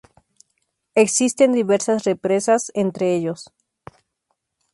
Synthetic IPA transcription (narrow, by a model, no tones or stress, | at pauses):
eksist̪e̞nd̪iβeɾsasrepɾe̞sasent̪ɾeeʝos